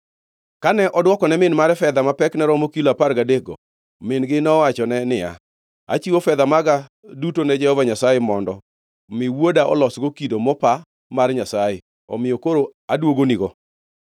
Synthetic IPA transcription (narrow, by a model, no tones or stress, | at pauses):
kanɛʔɔdwɔkɔnɛmɪnmaɾɛfɛd̪amapɛknɛɾɔmokilaparɡadeɡɔ̰ | mɪnɡɪnɔwat͡ʃɔnɛnɪja̰ | a̰t͡ʃiwofɛd̪amaɡa | dutonɛd͡ʒɛhɔvaɲasajemɔndɔ | mɪwwodaʔɔ̰lɔsɡokidomɔpa | marɲasaje | ɔ̰mɪjɔkoɾoadwoɡoniɡɔ